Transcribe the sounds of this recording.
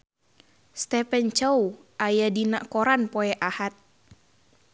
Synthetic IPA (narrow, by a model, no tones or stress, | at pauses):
st̪ɛpɛnt͡ʃəwʔajadinaʔkoɾanpɔɛʔahat̪̚